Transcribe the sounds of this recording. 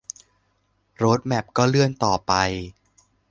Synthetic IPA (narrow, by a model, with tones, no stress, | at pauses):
ɾoː˦˥t̪̚mɛ˨˩p̚kɔː˥˩lɯ˥˩ənt̪ɔː˨˩pa˧j